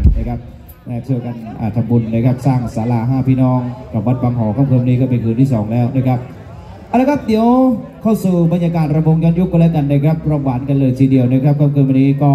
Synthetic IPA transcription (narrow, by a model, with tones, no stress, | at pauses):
naː˧˩kʰa˦˥p̚ | naː˧˩tʰɯ˥˩əwka˧nʔa̰ː˨˩t̪ʰa˨˧˦mbu˧nːaː˧˩kʰa˦˥p̚saː˥˩ŋʔa˩saː˨˦laː˧ɦaː˧˩pʰiː˧˥˩nɔː˧˥˩ŋt̪ʰɔː˨˩ba˦˥t̪̚baː˧ŋɦɔː˩˦kʰa˧˥˩mkʰɤː˧˩m˧niː˦˥kɔː˥˩pe˧nkʰɯː˧nt̪ʰiː˥˩sɔː˩˦ŋlɛː˦˥wnaː˧˩kʰɾa˦˥p̚ | ʔa˧wlːkʰa˦˥p̚d̪i˨˦əwkʰa˥˩wsuː˨˩ba˧njaː˧kaː˨˩npɾa˧bo˧ŋjɔː˧˥nju˦˥kːɔ˧lɛː˦˥wka˧˩nːaː˧˩kʰɾa˦˥p̚ɾɔː˧˩mwaː˩˦˥nka˧nlɤː˧jt̪ʰiː˧˩di˧əwna˧˥˩kɾa˦˥p̚kʰːaː˧˥˩mkʰɯː˧wa˧nːiː˦˥˩kɔː˥˩